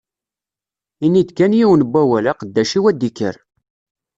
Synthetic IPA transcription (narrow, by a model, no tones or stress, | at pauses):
inːid̪kænjiwənbʷːæwælaqəd̪ːæʃiwæd̪ikːə̰ɾ